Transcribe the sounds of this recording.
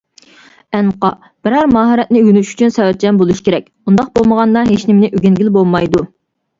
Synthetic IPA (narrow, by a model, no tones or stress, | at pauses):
ɛnqɑ | b̥ɪɾhæɾmɑːɦɨɾɛt̪̚nɪɡynyʃy̥t͡ʃʰynsɛwɛt̪̚d͡ʒɛnbolˠuʃkʲʰeɾɛk̚ʲund̪ɑq̚bolˠməʁɑnːɑɦeʃnɪmnɪʔyɡʲinɡʲilbolˠmɑjd̪u